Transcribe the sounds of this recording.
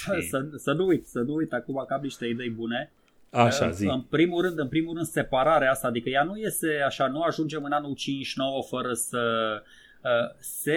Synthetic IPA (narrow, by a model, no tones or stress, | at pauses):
səsənuujt̪sənuujt̪akumakamniʃt̪e̞id̪e̞jbune̞ | aʃa̰ziɨnpɾimulɾɨnd̪ɨnpɾimulɾɨnd̪se̞paɾaɾeast̪aːd̪ikəjanuje̞st̪e̞aʃanuaʒund͡ʒe̞mɨnanult͡ʃint͡ʃno̞wəfəɾəsə | əse